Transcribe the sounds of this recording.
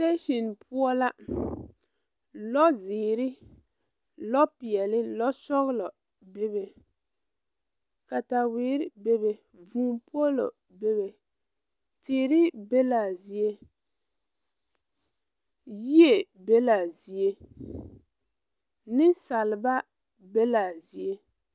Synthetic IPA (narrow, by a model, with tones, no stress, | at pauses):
te˦ʃi˨npʰu˦ɔ˦la˦ | lɔ˦zɪː˨ɾɪ˦ | lɔ˦pi˨ɛ˨lɪ˦lɔ˦sɔ˦ɣlɔ˨ | be˦be˨ | ka˨ta˨wɪː˨˦ɾɪ˦be˦be˨ | vuː˨˦po˦lo̰˨ | be˦be˨ | tɪː˨ɾɪ˦be˦la˨zi˨e˦ | ji˦e˨be˦la˨zi˨e˦ | nɪ˦nsa˨lɪ˨ba˦ | be˦la˨zi˨e˦